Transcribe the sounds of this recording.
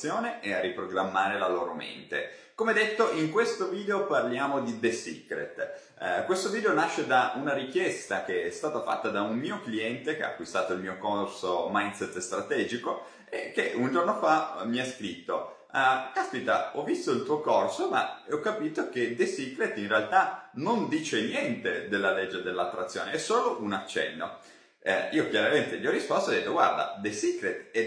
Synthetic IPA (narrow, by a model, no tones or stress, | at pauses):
joːneʔearːipɾoɡɾamːaːɾelaloːɾomḛnt̪ḛkomeɛd̪et̪ːoʔiŋkwest̪oviːd̪eoparljaːmod̪id̪esḭkɾḛt̪ | kwest̪oviːd̪eonaʃːed̪aunaɾik̟jɛst̪ak̟eɛst̪aːt̪afa̰t̪ːad̪aunmiːokliɛnt̪ekea̰kːwist̪aːt̪oilmiːokorsomajnsɛt̪ːst̪ɾat̪ɛːd͡ʒiko | ḛkːeʔund͡ʒornofamiaskɾit̪ːo | kaspit̪aɔvːist̪oilt̪uːokorsoma̰eɔkːapiːt̪ok̟ed̪esikɾet̪inrealt̪anond̪iːt͡ʃenjɛnt̪ed̪elːaled͡ʒːed̪elːat̪ːɾat̪sːjoːneɛsoːloʔunat͡ʃːɛ̰nːo̰ | iːokjaɾament̪eʎiɔrːispɔst̪oɔd̪et̪ːoɡwa̰rd̪a̰d̪esikɾet̪ɛ